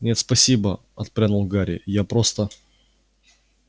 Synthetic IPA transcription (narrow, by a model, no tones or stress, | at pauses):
nʲe̞t̪spɐsʲibə | ɐt̪̚pɾʲanʊlˠɡaɾʲɪ̰japɾost̪ə